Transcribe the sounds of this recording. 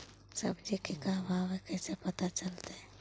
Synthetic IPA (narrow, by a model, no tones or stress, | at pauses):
sɐbd͡ʒikekaɦbãwekɛːsepɐt̪at͡ʃɐlt̪eɦɛ